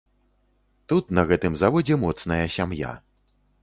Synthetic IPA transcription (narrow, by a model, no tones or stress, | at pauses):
t̪ut̪nɐɣɛt̪ɨmzavɔd͡zʲɛmɔt̪snɐjɐsʲamja̰